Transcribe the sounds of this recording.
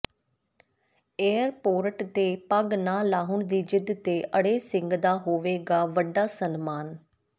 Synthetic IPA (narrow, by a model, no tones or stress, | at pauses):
eːɾpoːɾəʈt̪eːpəɡnãːlaːɦʊɳd̪iːd͡ʒɪd̪t̪eːʔəɽeːsɪŋɡd̪aːɦoːʋeːɡaːʋəɖaːsənmaːn